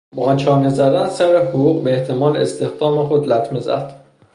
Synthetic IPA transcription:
bɒːnt͡ʃʰɒːnezæd̪ænsæɾehoɣuːɣbeeht̪ʰe̞mɒːlest̪e̞xd̪ɒːme̞xo̞d̪læt̪ʰme̞zæ̰d̪̥

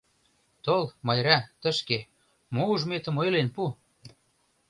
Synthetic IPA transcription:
t̪olmɑjɾæt̪ə̆ʃke | mouʒmet̪ə̆mojlenpu

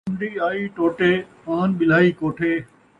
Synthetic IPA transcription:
md̪iːaːiːʈoːʈeːpaːnɓɪl̤aːiːkoːʈʰeː

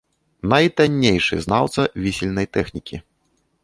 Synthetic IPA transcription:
nɐjt̪anʲːejʂɨ̰znawt̪sɐvʲisʲilʲnɐjt̪ɛxnʲikʲi

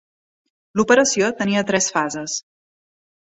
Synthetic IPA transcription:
lupəɾəsiot̪əniət̪ɾɛsfazəs

